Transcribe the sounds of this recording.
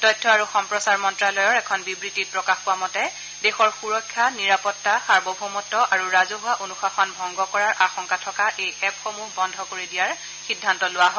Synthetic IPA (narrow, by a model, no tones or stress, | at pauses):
tɔjtʰːɔaɹuxɔmpɹɔsaɹmɔntɹalɔjɔɹɛkʰɔnbibɹitit̚pɹɔkaxpʊwamɔtɛ | dexɔɹxuɹɔkʰːaniɹapɔtːaxaɹbɔbʱumɔtːɔʔaɹuɹazɔɦʊwaʔonuxaxʰɔnbʱɔŋɡɔkɔɹaɹʔaxɔŋkatʰɔkaʔejɛpxomuɦbɔndʱɔkoɹidijaɹ | xidʱːantɔlʊwaɦɔ